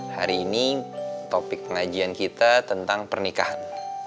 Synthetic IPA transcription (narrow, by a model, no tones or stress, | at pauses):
haɾiːnit̪opɪk̚pəŋad͡ʒiankit̪at̪ənt̪aŋpərnikahan